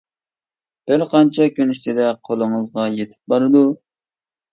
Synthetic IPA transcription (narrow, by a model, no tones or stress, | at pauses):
b̥ɪɾqʰɑnt͡ʃʰɛkʲʰønɪʃt̪ɪd̪ɛqʰolˠɨŋəzʁɑjet̪ʰɪ̥p̚bɑɾɨd̪u